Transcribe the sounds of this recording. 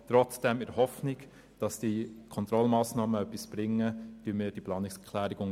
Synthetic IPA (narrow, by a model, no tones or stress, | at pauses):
tɾɔt͡sd̥ɛmɪɾhɔfnɪɡ | d̥ɑsd̥ikʰɔnt̪ɾɔlmɑːsnɑːməœpːisb̥ɾɪŋːətyːnmɪːɾd̥iplɑːnɪksɛkʰlæːɾɪɡʊŋ